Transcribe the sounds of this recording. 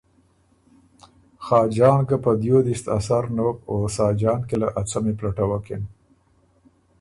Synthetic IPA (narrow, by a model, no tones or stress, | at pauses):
xɑːd͡ʒɑːnkapəd̪jod̪ist̪a̰saɾnowkosɑːd͡ʒɑːnkelaʔat͡sameplaʈawakḛn